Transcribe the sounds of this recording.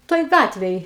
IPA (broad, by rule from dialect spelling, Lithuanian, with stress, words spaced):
ˈtoːj ˈɡɑːtʲʋʲeːj